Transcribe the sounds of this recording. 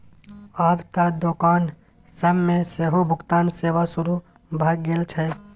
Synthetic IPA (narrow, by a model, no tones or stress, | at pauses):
aːbt̪ad̪oːkaːn | səmmẽseːɦobʱʊɡt̪aːnseːʋasʊɾu | bʱaːɡːeːlt͡ʃʰɛ